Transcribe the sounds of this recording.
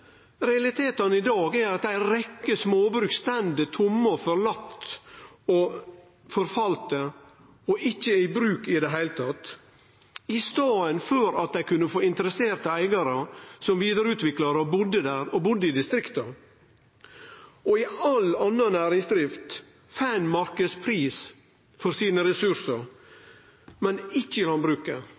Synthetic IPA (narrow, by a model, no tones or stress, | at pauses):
ɾɛɑlɪt̪ʰeːt̪ɑnɪd̪ɑːɡæɾɑt̪æɪɾɛkːəsmoːbɾʉːkst̪ɛnd̪ət̪ʰʊmːəfɔɾlɑt̪ː | ɔ | fɔɾfɑlt̪ə | ɔʔɪçːəɪbɾʉːkɪd̪ɛɦæɪlət̪ʰɑt̪ː | ɪst̪ɑːənføɾɑt̪̚d̪æɪkʉnːəfoːɪnt̪əɾəseːɾt̪əæɪɡɑɾəsɔmʋiːd̪əɾʉːt̪ʋɪklɑɾəɔbʊd̪ːəd̪æːɾɔbʊd̪ːəɪd̪ɪst̪ɾɪkt̪ə | ɔɪɑlɑnːənæːɾɪŋsd̪ɾɪft̪ | fæːnmɑɾkəspʰɾiːs | fɔɾsiːnəɾɛsʉɾsəɾ | mɛnɪçːəɪlɑnbɾʉːkə